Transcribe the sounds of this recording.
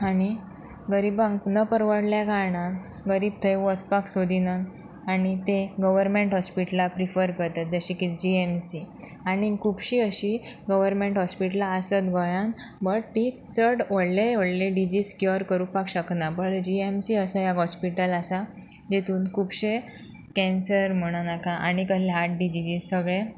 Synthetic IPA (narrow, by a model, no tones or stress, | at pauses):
aɽ̃i | ɡəɾiːbãŋɡnəpəɾʋəɽljaɡaɳãn | ɡəɾiːb̚t̪ʰəjʋət͡spaksod̪ʱinan | aɽ̃it̪eɡəʋəɾmeɳʈɦɔspiʈlapɾifəɾkəɾt̪at̪̚d͡zəɕikit͡sd͡ʑiemsiaɽ̃ikʰupɕiəɕiɡəʋəɾmẽɳʈɦɔspiʈlaːsət̪ɡʱɔjãnbəʈtit͡səɽʋəɽleʋəɽlẽɖid͡ʑiːskjoɾkəɾupakɕəknabəɽd͡ʑiemsiəsajaɡɦɔspiʈəlasa | d͡ʑet̪ʰuːnkʰupɕe | kɛ̃nsəɾm̤əɽ̃anakãʔaɽ̃ikəleɦaʈ̚ɖid͡ʑid͡ʑiːd͡zsəɡɭe